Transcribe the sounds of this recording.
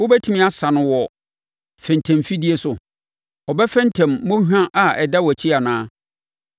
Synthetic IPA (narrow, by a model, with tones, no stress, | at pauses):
wo˦bæ˦tʰũ˦mĩ˦a˨sã˨nʊ̃˨wɔ˨ | fɛ̃˨n˨tʰɛ̃˨mfi˦di˦e˨˦sʊ˨ | ɔ˨bɛ˦fɛ̃˦n˦tʰɛ̃˨mːõ˦hᶣã˦ʔa˨ɛ˨dɛ˦wɔ˨æ˨t͡ɕʰi˦a˨nãː˦